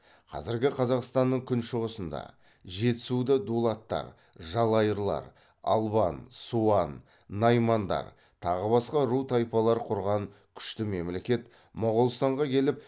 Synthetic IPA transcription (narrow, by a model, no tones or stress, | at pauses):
qʰɑ̰zɪɾɡʲɪqʰɑzɑqst̪ɑnːəɴkʲʰʏnʃʊʁəsənd̪ɑ̰ | ʒe̞t̪sud̪ɪd̪ulˠɑt̪ːɑ̰ɾ | ʒɑlˠɑjəɾlˠɑ̰ɾ | ɑ̰lˠbɑnsuɑnː | ɑjmɑnd̪ɑ̰ɾ | t̪ʰɑʁəbɑsqɑɾut̪ʰɑjpɑlˠɑɾqʰʊɾʁɑŋkʲʰʏ̥ʃt̪ɪme̞mle̞kʲe̞t̪ | mʊʁəlˠst̪ɑɴʁɑkʲʰe̞lɪp̚